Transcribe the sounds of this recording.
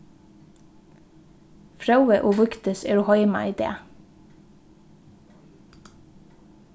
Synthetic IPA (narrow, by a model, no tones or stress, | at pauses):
fɾɑʉəʔoːʋʉkt̪əseːɾuːhɑɪmɑ̰ʔiːd̪ḛː